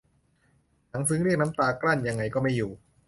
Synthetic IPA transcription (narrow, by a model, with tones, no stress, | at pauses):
na˩˦ŋs̬ɯ˦˥ŋɾi˥˩ək̚na˦˥mt̪aː˧kla˥˩nja˧ŋːa˧jkɔː˥˩ma˥˩jːuː˨˩